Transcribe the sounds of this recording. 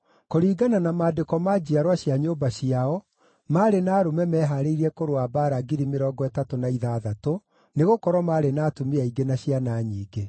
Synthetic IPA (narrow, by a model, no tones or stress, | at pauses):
koɾiːɡananamaːdekɔmad͡ʑiaɾwaɕjaɲobaɕiaɔ | maːɾenaːɾomɛmɛːɦaɾeiɾɛkoɾoabaːɾaɡiɾimeɾɔːɡɔɛtatonaiðaːðato | neɣokɔɾwɔmaːɾenaːtomeaiɡenaɕianaːɲiːɡe